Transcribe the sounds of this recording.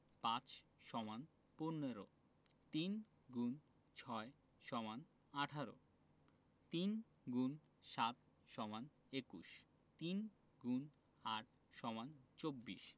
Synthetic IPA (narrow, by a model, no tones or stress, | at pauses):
pãt͡ɕʃɔman | ponːeɾo | t̪in | ɡun | t͡ɕʰɔe | ʃɔman | aʈʰaɾo̰ | t̪in | ɡun | ʃat̪ | ʃɔman | ekṵʃ | t̪in | ɡun | aʈʰ | ʃɔmant͡ɕobːḭʃ